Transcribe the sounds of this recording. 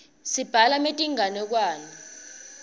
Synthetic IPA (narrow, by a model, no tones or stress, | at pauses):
sib̥ʱalametʼiŋanɛk̬waːni